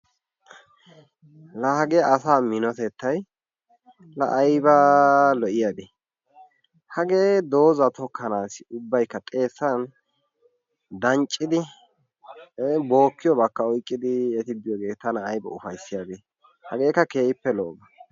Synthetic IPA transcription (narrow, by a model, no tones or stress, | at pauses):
lɐhɐɡeɐsaːmɪnɔt̪ɛt̪ːɐj | lɐ̰ʔɐjbɐlɔʔɪjad̪e | hɐɡeːd̪o̞ːzɐt̪ɔkʰːɐnaːsɪʊbːɐjkːɐt̪ʼe̞ːsːɐn | d̪ɐnt͡ʃʼːɪd̪ɪ | bo̞ːkːɪjɔbɐkːɐɔjkʼːɪd̪ɪɛt̪ɪb̪ɪjɔɡe̞ːt̪ːɐnɐːjbɐ̰ʊfɐjsːɪjad̪e | hɐɡe̞ːkːɐke̞ːʔɪpːɛlɔʔbɐ